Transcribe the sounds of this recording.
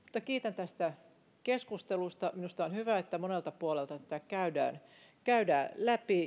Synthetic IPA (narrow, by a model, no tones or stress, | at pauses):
mu̥t̪ːˑɑkiːt̪ænt̪æst̪æ | keskust̪elust̪ɑminust̪ɑonhyʋæet̪ːæmonelt̪ɑpuolelt̪ɑt̪æt̪ækæydæ̰ːn | kæydæːlæpi